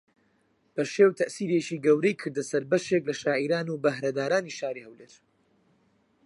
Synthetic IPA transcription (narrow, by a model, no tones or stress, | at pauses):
b̥ɐʃeːwt̪ʰɐʔsiːɾet͡ʃiːɡɐwɾejkʰɨɾd̪ɐsɐɾbɐʃeklɐʃaːʔiɾaːnubɐɦɾɐd̪aːɾaːniʃaːɾihɐwleːɾ